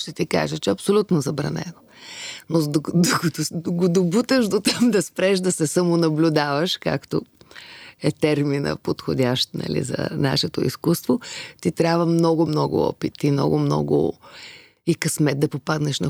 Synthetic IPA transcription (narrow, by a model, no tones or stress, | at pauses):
ʃt̪ɛt̪ika̰ʒət͡ʃɛɐpsolʲut̪nozɐbɾɐ̰nɛ̰no | nod̪d̪okɐt̪oɡod̪obut̪əʒd̪ot̪amd̪ɐspɾɛʃd̪ɐsɛsɐmonɐblʲʊd̪avɐʃka̰kt̪o | ɛt̪ɛɾminə̰pot̪xodʲaʃt̪nɐ̰lḭzɐ̰na̰ʃɛt̪o̰ḭskust̪vot̪it̪ɾʲabvəmnɔɡʊmnɔɡʊ̰ɔ̰pit̪ːimnɔ̰ɡʊmnɔ̰ɡʊ̰ | ikɐsmɛd̪̚d̪ɐpopad̪nɛʃnɐ